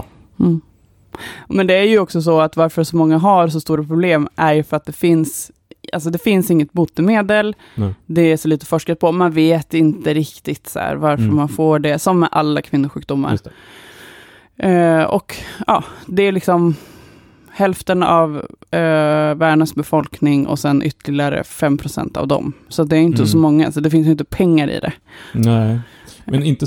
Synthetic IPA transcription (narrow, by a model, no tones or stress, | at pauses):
mɛnd̪ɛæɾjɵɔksɔs̬ɔat̪vaɾfœɾʂɔmɔŋːaɦaɾsɔst̪uːɾapʰɾʊbleːmʔæɾjɵfœɾat̪̚d̪ɛfɪns | ʔa̰ls̬ɔd̪ɛfɪnsɪŋːət̪̚buːt̪ːəmeːd̪əl | d̪ɛæʂɔliːt̪ə̥fɔʂkat̪̚pʰɔmanveːt̪ɪnt̪əɾɪkt̪ɪɡt̪sæ̰ːɾvaɾfəɾmanfoːɖɛsɔmːɛʔalːakʰvɪnːʊɾɧʉ̟ːk̚d̪ʊmːa̰ɾ | ɔ̰kɑːd̪ɛæɾlɪksɔm | hɛlft̪ənav | æːɖɳəsbɛfɔlknɪŋʔɔ̰sɛnʔʏ̰t̪ːəlɪɡaɾə̰fɛmːpʰɾʊsɛ̰nt̪a̰vd̪ɔ̰msat̪̚d̪ɛːɾjʏnt̪əsɔmɔŋːasɔd̪ɛfɪns̬jʏɪnt̪əpʰɛŋːaɾɪ̰d̪ɛ̰ | mɛnɪnt̪ə